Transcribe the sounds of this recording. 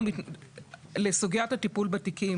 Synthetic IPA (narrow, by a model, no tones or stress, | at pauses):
i | lesuɡijathatipulbatiki